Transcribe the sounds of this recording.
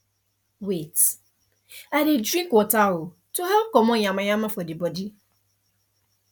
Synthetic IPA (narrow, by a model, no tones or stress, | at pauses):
wet | adɪdɾĩkɔtawʊ | tʰʊɦɛkɔmɔ̃ɲãmãɲãmãfɔdɪbɔdi